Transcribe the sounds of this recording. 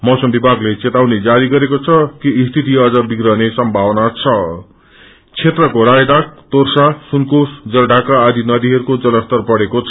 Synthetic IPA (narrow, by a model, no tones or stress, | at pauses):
mʌwsʌmbibʱaɡlet͡set̪awned͡zaɾiɡʌɾekot͡sʰʌkiːst̪ʰit̪̬iʌd͡zʌbiɡɾʌɦnesʌmbʱawʌnat͡sʰʌ | t͡sʰet̪rʌkoɾajd̪ak̚t̪orsasunkosd͡zʌlɖʱakaːd̪inʌd̪iɦʌɾukod͡zʌlʌst̪ʌrpʌɽekot͡sʰ